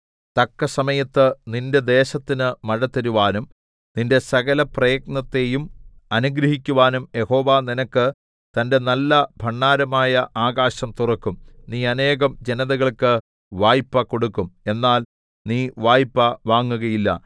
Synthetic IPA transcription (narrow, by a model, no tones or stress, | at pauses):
t̪ɐkːɐsɐmɐjɐt̪ːɨninde̞d̪e̞ːɕɐt̪ːinɨmɐɻɐt̪ːɐɾuʋaːnum | ninde̞sɐɣɐlɐprejɡ̚nɐt̪ːe̞jumɐnuɡɾɐhikʲːuʋaːnumje̞ho̞ːʋaːninɐkːɨ | t̪ɐnde̞nɐlːɐbʱɐɳːaːɾɐmaːjɐʔaːɣaːɕɐmt̪urɐkːumniːɐne̞ːɣɐmd͡ʑe̞nɐðɐɣɐɭkɨ | ʋaːjpːɐko̞ɽukːume̞nːaːl | niːʋaːjpːɐʋaːŋːuɣɐjilːɐ̰